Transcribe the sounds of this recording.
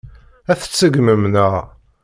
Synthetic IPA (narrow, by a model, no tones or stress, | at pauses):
æθə̥t͡sːəɡməmnəʁ